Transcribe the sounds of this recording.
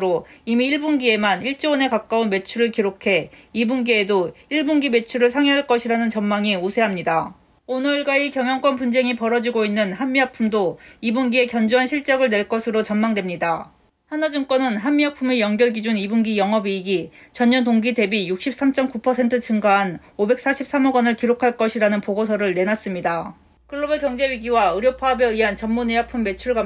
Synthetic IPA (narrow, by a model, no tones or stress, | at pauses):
ɾoimiːiɭbunɡie̞maniɭt͡ɕ͈eʌne̞kak͈aunme̞t͡ɕʰuɾɯɭkiɾokʰe̞ibunɡie̞doiɭbunɡime̞t͡ɕʰuɾɯɭsʰaŋiɦaɭk͈ʌɕʰiɾanɯnt͡ɕʌnmaŋiosʰe̞ɦamɲida | onʌɭɡaikjʌŋjʌŋk͈ʌnpund͡ʑe̞ŋipʌɾʌd͡ʑiɡoinːɯnhanmiɦapʰumdoibunɡie̞kjʌnd͡ʑuɦanɕʰiɭt͡ɕ͈ʌɡɯɭne̞ɭk͈ʌsʰɯɾot͡ɕʌnmaŋdwe̞mɲida | hanad͡ʑɯŋk͈wʌnɯnɦamːiɦapʰumejʌŋɡjʌɭɡid͡ʑunibuŋɡijʌŋɦʌbiːɡit͡ɕʌɲːʌntoŋɡide̞bijuk̚ɕ͈ʰip̚s͈amt͡ɕ͈ʌmkupʰʌsʰe̞ntʰɯt͡ɕɯŋɡaɦan | obe̞k̚s͈aɕʰip̚s͈amʌɡʌnɯɭkiɾokʰaɭk͈ʌɕʰiɾanɯnpoɡosʰʌɾɯɭne̞nas͈ɯmɲida | kɯɭːobekjʌŋd͡ʑe̞ɥiɡiwaɯɾjopʰaɦabeiɦant͡ɕʌnmuneɦapʰumːe̞t͡ɕʰuɭɡa